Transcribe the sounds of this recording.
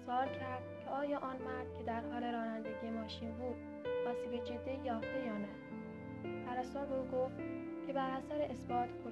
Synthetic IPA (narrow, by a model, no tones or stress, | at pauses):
sɒːlcʰæɾd̪̥cʲʰe̞ɒːjɒːʔɒːnmæɾd̪̥̚cʰe̞d̪æɾhɒːle̞ɾɒːnænd̪eɟiːjemɒːʃiːnbuːd̪̥̚ | mɒːsiked͡ʒed̪ːejɒːft̪ejɒːnæ | pʰæɾæsɒːɾbeuːɡoft̪ | cʲʰe̞bæɾæsæɾeʔesbɒːt̪ʰkʰo